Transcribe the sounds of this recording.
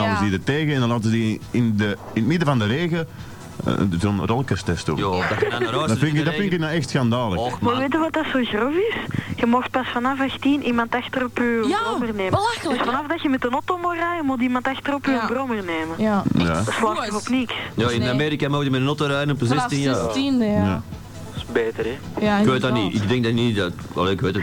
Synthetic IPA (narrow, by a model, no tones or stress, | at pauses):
aəzdidərteːɣəɛndɑnlaːtəzədiɪndə | ɪntmɪdəvɑndəɾeːɣə̰ | zonrɔlˠkəstɛstṵ | dɑfɪnkdɑfɪnkɪk̚naɛxtsxandaːlə̰məʋeːtəʋɑt̚dɑsoːɣrɔfɪsɣəmɔxt̚pɑsfɑnɑfaxtinʔimɑntaxtərɔpyəɔmərneːməd̥øsfanafdɑjəmɛtənɔtoːmoraːjəmulˠt̬imɑntaxtərɔpyənbrɔmərneːməja̰slaɔvɔpnɪksjoɪnameːɾikamoxdəmɛtənɔtoːɾɛjənɔpəzɛstɪnjaindja̰ | sbeːtəɾɛkʋeːtdaniɪ̰ɡdɛŋɡ̚danidata̰leːɪkʋeːt